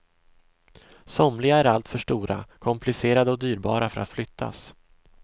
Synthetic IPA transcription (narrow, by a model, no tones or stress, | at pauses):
sɔmlɪɡaæɾalt̪fœʂʈuːɾʔa̰kʰɔmplɪseːɾad̪əɔd̪yːɾbɑːɾafœɾʔa̰t̪flʏt̪ʰːa̰s